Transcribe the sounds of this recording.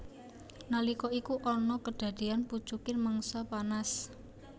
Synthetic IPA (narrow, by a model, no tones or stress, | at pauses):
nalikɔikuʔɔnɔkəd̥ä̤d̪̥ianpu̥t͡ʃukɪnməŋsɔpanas